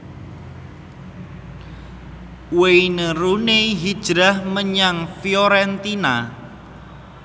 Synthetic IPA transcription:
weinəɾuneɦid̥ʒ̥ɾahməɲaŋfioɾɛnt̪ina

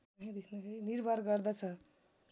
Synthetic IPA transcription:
ʌɦĩd̪ekʰnakʰeɾiniɾbʱaɾɡʌɾd̪at͡sʰʌ

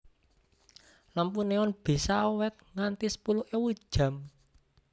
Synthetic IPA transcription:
lampuneɔnb̥i̤saowɛt̪̚ŋant̪isə̥puluʔewu̥ʒ̥a̤m

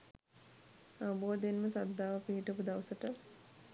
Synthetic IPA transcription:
aʋɐboːd̪enməsad̪ːaːʋəpiɦiʈəpud̪aʋəsəʈə

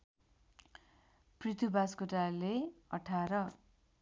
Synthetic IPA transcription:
prit̪ʰubaskoʈaleʌʈʰaɾʌ

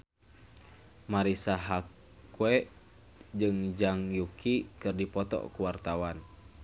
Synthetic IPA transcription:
maɾisaɦak | wɛʔ | d͡ʒɨŋd͡ʒaŋjukikɨrdipɔt̪ɔ̰kuwart̪awan

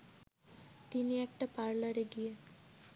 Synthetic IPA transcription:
t̪iniɛk̚ʈapaɾlaɾeɡije

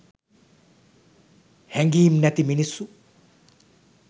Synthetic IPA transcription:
hɛŋɡiːmnɛt̪iminisːu

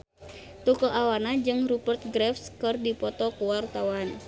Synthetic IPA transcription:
t̪ukɔʔawanad͡ʒɨŋrupərt̪̚ɡɾɛfskɨrdipɔt̪ɔkuwart̪awan

